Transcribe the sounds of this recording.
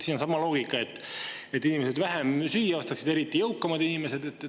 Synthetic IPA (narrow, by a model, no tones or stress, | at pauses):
siːno̞nsɑmːˑɑlo̞ːɡ̥ikːˑɑe̞t̪ːˑ | et̪ːˑinime̞s̬ed̪væɦemsyjːɑɑst̪ɑksid̪̥e̞ɾit̪ˑːijɤwkːɑmɑd̪̥inime̞se̞d̪e̞t̪ː